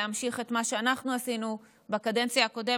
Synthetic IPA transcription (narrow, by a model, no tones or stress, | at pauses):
eamʃiχe̞tmaʃe̞anaχnuasinu | bekade̞nt͡sjaako̞de